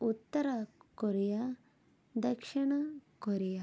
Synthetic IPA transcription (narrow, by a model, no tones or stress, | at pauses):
ut̪ːɐɾakoɾija | d̪ɐkʂiɳ̃ɐkoɾija